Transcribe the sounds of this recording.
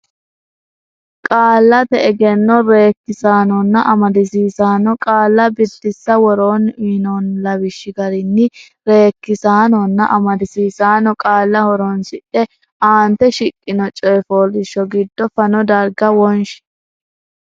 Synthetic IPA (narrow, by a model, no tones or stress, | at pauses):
kʼaːlːɐt̪ɛɛɡɛnːɔɾe̞ːkːɪsaːnɔnːɐʔɐmɐd̪ɪsiːsaːnɔkʼaːlːɐbɪd̪ːɪsːɐwɔɾoːniːnɔnlɐbɪʃːɪɡɐɾɪnːɪ | ɾe̞ːkːɪsaːnɔnːɐ̰ʔɐmɐd̪ɪsiːsaːnɔkʼaːlːɐwɔɾɔnsɪʔɛ | ʔaːnt̪ɛʃɪkʼːɪnɔt͡ʃʼɔjfoːlɪʃːɔɡɪd̪ːɔfɐnɔd̪ɐɾɡɐwɔnʃ